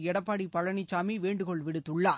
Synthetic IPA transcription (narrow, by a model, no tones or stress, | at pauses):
ɛɽɐpːaːɽipɐlɐnɪt͡ʃːaːmiʋeːɳɖɯkɔɭʋɪɽɯt̪ːɯɭːaː